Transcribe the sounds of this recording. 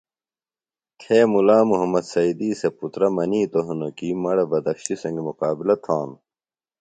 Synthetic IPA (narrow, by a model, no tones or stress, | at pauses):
t̪ʰeːmulaːmuɦɐmɐd̪sɐid̪iːseput̪ɾɐmɐniːt̪oɦunokimɐɽɐbɐd̪ɐkɕisɐ̃ŋɡimuqaːbilɐt̪ʰãːn